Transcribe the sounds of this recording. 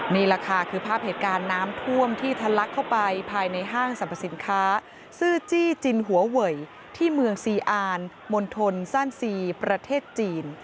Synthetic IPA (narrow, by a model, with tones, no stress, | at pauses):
miː˧ɾaː˧kʰaː˧kʰɯː˧pʰaː˥˩p̚heː˩t̪̚kaː˧nːaː˦˥mt̪ʰu˥˩əmt̪ʰiː˥˩t̪ʰa˧la˦˥kʰːa˥˩wpa˧jpʰaː˧jna˧jɦaː˥˩ŋsa˨˦mpʰa˧˩si˩˦nkʰaː˦˥ | sɯː˥˩t͡ɕiː˥˩t͡ɕi˧nɦu˩˦ɐwɤ˨˩j | t̪ʰiː˥˩mɯ˧əŋsiː˧ʔaː˧n | mo˧nt̪ʰo˧nsaː˥˩nsiː˧pɾa˧t̪ʰeː˥˩t̪̚t͡ɕiː˧n